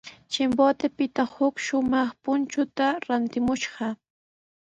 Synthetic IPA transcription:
t͡ʃɪmbot̪ɪpɪt̪ahʊkʃʊmɑχpʊnt͡ʃʊt̪aɾant̪ɪmʊʃɢɑ

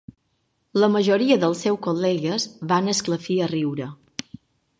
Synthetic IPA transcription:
ləməʒoɾiəðəlˠsɛwkolɛɣəzβanəskləfiəriwɾə

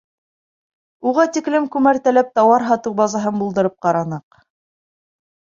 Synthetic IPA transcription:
uʁɑt̪iklɘmkʉmæɾt̪ælæp̚t̪ɑwɑɾɦɑt̪ɤwbɑzɑɦɤnbulˠd̪ɤ̆ɾɤp̚qɑɾɑnɤq

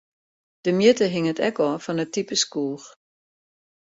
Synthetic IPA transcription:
d̥əmjɪtəɦɪŋətʰɛ̰kɔːfɔnətipəskuːx

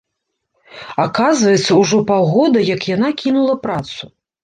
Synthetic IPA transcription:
akazvɐjɛt̪sːɐuʐɔpawɣɔd̪ɐjɐkjanakʲinulˠɐpɾat̪su

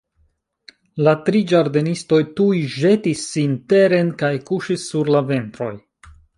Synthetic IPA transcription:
latɾid͡ʒaɾdenisto̞jtujʒe̞tisːinte̞ɾe̞nkajkuʃisːuɾlave̞ntɾo̞̰j

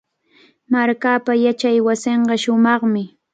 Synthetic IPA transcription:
maɾkaːpajat͡ʃajwasɪɴɢɑʃʊmɑχmɪ

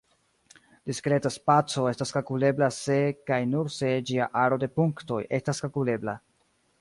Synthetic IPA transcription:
d̥iskɾe̞taspat͡so̞e̞staskalkule̞blase̞kajnuɾse̞d͡ʒiaʔaɾo̞de̞puŋkto̞je̞staskalkule̞bla̰

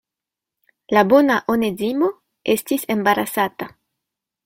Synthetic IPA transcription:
labo̞naʔonezimo̞ | e̞stisembaɾasata

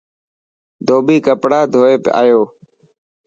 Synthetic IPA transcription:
d̪ʱoːɓiːkəpɽaːd̪ʱoːeːpa̰ːjoː

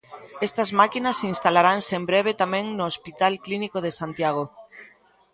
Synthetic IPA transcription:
est̪ɐzmakinɐsinst̪alaɾaŋsembɾeβ̞et̪amɛ̃ŋnoːspit̪alklinikoð̞esant̪jaɣ̞o

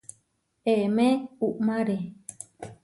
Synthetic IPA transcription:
eemẽuʔmãɾe

